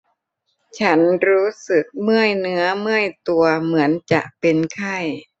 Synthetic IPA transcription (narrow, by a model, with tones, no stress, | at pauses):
t͡ɕʰa˦˥nɾuː˦˥sɯ˨˩k̚mɯ˥˩əjnɯ˦˥ɐmɯ˥˩əjt̪u˧ɐmɯ˩˦ənt͡ɕa˨˩ʔpe˧nkʰa˥˩j